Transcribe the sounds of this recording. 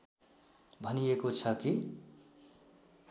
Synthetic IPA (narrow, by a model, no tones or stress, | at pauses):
bʱʌnijekot͡sʰʌki